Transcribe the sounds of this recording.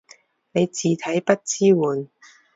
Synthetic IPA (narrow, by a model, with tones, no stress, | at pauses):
ne˨˧jt͡siː˨t̪ʰɐ˨˥jpɐ˥t̚t͡siː˥wuː˨n